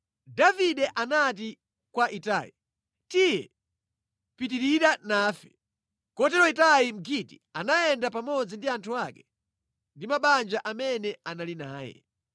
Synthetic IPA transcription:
daviɗɛʔanat̬i | kwaʔita̰ːjḭ | tijɛ | pit̬iɾiɾanaːfɛ | kɔtɛɾɔitaim̩ɡʰitianajɛndapamɔd͡zindiantʰuakɛ | ndimaɓand͡ʒaʔamɛnɛanalinaːjɛ̰

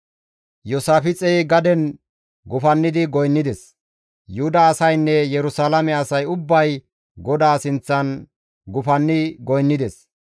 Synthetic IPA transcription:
jɔsaːfɪt͡sʼɛɡɐd̪ɛn | ɡʊfɐnːɪd̪ɪɡɔjnːɪd̪ɛs | jʊhʊd̪ɐːsɐjnːɛjɛɾʊsaːlɐmɛɐsɐjʊbːɐj | ɡɔd̪aːsɪnt͡sːɐn | ɡʊfɐnːɪɡɔjnːɪd̪ɛs

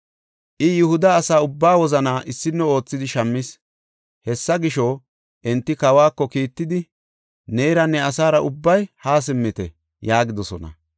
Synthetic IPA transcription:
ʔɪjʊhʊd̪ɐːsaːʊbːaːwɔzɐnaːʔɪsːɪnːɛo̞ːt͡sːɪd̪ɪʃɐmːɪs | hɛsːɐɡɪʃɔ | ʔɛnt̪ːɪkɐwaːkːɔkiːt̪ːɪd̪ɪ | neːɾɐnːɛɐsaːɾɐʔʊbːɐjhaːs̬ɪmːɪt̪ɛ | jaːɡɪd̪ɔsɔnɐ̰

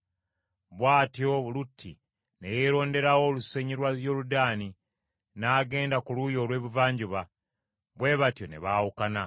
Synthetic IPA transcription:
βwaːtjo̞βulutʰːi | ne̞jeːɾo̞ːnde̞ɾawo̞luseɲiɾwazjo̞ːludaːni | naːɡe̞ːndakulujo̞ːlwe̞ːβuvaːɲɟuβa | βwe̞ːβatjo̞ne̞̰βaːwukana

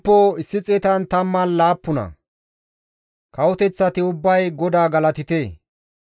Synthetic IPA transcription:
pːoɪsːɪt͡sʼeːt̪ɐnt̪ɐmːɐnlaːpːʊnɐ̰ | kɐwʊt̪ɛt͡sːɐt̪ɪʊbːɐjɡɔd̪aːɡɐlɐt̪ɪt̪eː

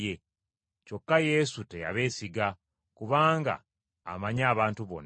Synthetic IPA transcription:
je | co̞kːaje̞sute̞ja̰βe̞ːsiɡa | kuβaːŋɡa̰ː | maɲaːβaːntuβo̞̰n

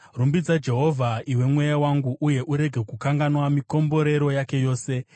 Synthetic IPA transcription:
rumbid͡zad͡ʒe̞ɦo̞vʱaiwe̞mwe̞jawaŋɡuʔuje̞ʔuɾe̞ɡʱe̞kukaŋɡanwamiko̞mbo̞ɾe̞ɾo̞jake̞jo̞ːse̞

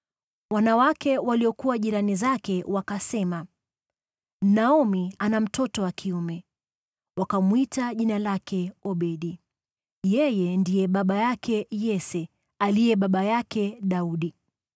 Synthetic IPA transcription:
wanawakɛwaliɔkuwaʄiɾanizakɛwakasɛma | m̩naɔmianam̩tɔtɔwakʰiumɛ | wakamwitaʄinalakʰɛɔɓɛɗi | jɛjɛndijɛɓaɓajakʰɛjɛsɛ | alijɛɓaɓajakɛɗauɗi

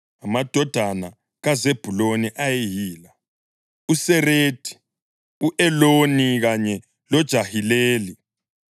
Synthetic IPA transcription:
amad̥ʱɔd̥ʱana | ɣazeb̥ʱuloniʔajejiːla | usɛreːd̥ʱʼi̥ | uʔɛloniɣaɲɛ | lɔd̥ʒ̥ʱahileːli

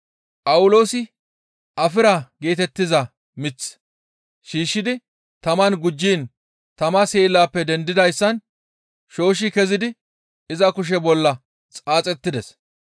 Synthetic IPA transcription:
pʼɐwʊlo̞ːsɪ | ʔɐfɪɾaɡe̞ːt̪ɛt̪ːɪzɐ | mɪt͡s | ʃiːʃːɪd̪ɪ | t̪ɐmɐnɡʊd͡ʒːiːn | t̪ɐmɐseːlːaːpːɛd̪ɛnd̪ɪd̪ɐjsːɐn | ʃo̞ːʃ̬ɪkɛzɪd̪ɪ | ɪzɐkʊʃ̬ɛbɔlːɐ | t͡sʼaːt͡sʼɛt̪ːɪd̪ɛs

